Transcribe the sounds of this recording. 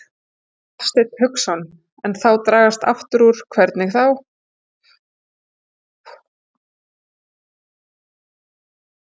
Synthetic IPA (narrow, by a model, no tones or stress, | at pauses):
st̪ɪt̪hʏksɔn | ɛnθawt̪ɾaːɣast̪a̰ft̪ʏɾuɾ̥kʰvɛɾt̪nɪɣθaw